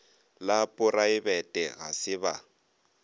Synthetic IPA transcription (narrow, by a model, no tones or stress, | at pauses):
lapʼʊraɪbɛtʼɛɣa̰sɪba̰